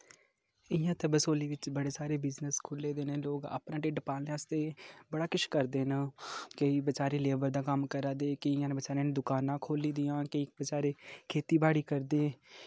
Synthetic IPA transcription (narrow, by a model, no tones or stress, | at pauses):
ɪjãːt̪ebəsoːliːʋɪt͡ʃbəɽeːsaːɾeːbɪznəskʰʊlːeːd̪eːnẽːloːɡa̰ːpnãːʈeːɖpaːlnẽaːst̪eːbəɽaːkɪt͡ʃkəɾd̪eːnəkəiːbət͡ʃaːɾẽːleːbəɾd̪aːkəmkəɾaːd̪eːkeɪjãːnːbət͡ʃaːɾẽːnd̪ʊkaːnãːkʰoːliːd̪ɪjãːkəiːbət͡ʃaːɾeːkʰeːt̪iːbaːɽiːkəɾd̪eː